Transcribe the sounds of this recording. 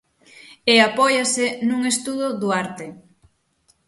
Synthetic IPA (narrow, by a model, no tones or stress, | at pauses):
eapɔjasɪnuŋest̪uðʊðuaɾt̪e